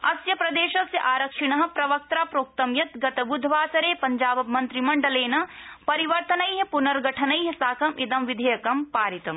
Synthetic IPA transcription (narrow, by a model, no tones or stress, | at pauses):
ɐsjɐpɾɐd̪eːʃɐsjɐʔaːɾɐkʂiɳɐɦɐ̆pɾɐʋɐk̚t̪ɾaːpɾoːk̚t̪ɐmjɐt̪ɡɐt̪ɐbud̪ʱʋaːsɐɾeːpɐɲd͡ʒaːbɐmɐnt̪ɾimɐɳɖɐleːnɐpɐɾiʋɐɾt̪ɐnɐjɦɐ̃punɐɾɡɐʈʰɐnɐjɦɐ̃saːkʰɐmʔid̪ɐmʋid̪ʱɐjɐkɐmpaːɾit̪ɐm